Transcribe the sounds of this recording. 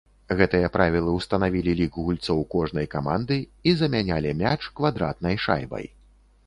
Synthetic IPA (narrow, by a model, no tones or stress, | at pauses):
ɣɛt̪ɨjɐpɾavʲilˠɐwst̪ɐnavʲilʲilʲikɣulʲt̪sɔwkɔʐnɐjkamand̪ɨizɐmʲanʲalʲimʲat͡ʂkvad̪ɾa̰t̪̚nɐjʂa̰jbɐ̰j